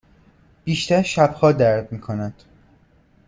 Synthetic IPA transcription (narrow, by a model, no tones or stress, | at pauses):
b̥iːʃt̪æɾʃæbhɒːd̪æɾd̪miːkʰonæd̪̥